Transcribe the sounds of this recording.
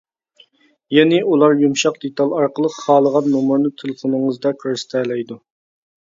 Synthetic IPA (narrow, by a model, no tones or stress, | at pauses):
jɛnɪʔulˠɑɾjumʃɑq̚d̪et̪ɑlˠɑɾqəlˠəqχɑːlˠəʁɑnːumuɾnɨt̪ʰelˠɨfonɨŋəzd̪ɑkʰoɾst̪ʰɛːlɛjd̪u